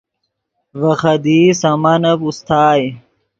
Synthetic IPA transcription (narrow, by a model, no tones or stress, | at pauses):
vɐxɐd̪iːsɐmɐnɐpust̪ʰaːj